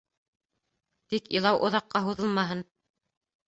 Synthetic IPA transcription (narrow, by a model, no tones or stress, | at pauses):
t̪ikilˠɑwʔŏðɑqːɑɦuðɤlˠmɑɦɤn